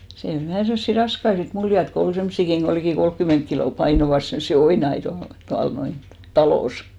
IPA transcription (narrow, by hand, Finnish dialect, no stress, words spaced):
siːn ol ʋæhæˑ semsːi rɑskɑi sit muljɑt ko ol semsːikiŋ ɡ̊o likiˑ kolkːyment kiloˑ pɑinoʋɑs semsːi oinɑi tuɑl tuɑl noin tɑloˑs